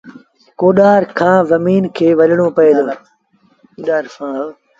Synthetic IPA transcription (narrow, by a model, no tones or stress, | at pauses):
koːɗaːɾkʰãːzɐmiːnkʰeːʋɐlɪɽ̃oːpɐeːd̪oː | ɗaːɾã